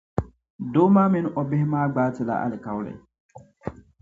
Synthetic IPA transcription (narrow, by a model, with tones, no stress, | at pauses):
doː˦maː˦mɛ˦nʔɔ˨bɛ˦hmaː˦ɡ͡baːti˨la̰˨ʔa̰˨li˨ka˨wlɛ̰˨